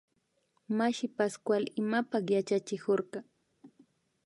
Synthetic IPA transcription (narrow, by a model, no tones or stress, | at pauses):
maʃɪpaskwalɪmapɑχjat͡ʃat͡ʃɪkoɾɢɑ